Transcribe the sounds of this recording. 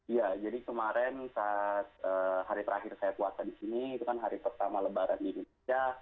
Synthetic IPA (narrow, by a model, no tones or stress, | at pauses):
ijad͡ʒadikəmaɾɛnsat̪̚əːhaɾit̪əɾaɦɪrsajakuasadisiniːt̪ukanɦaɾipərt̪amaləbaɾandidon | a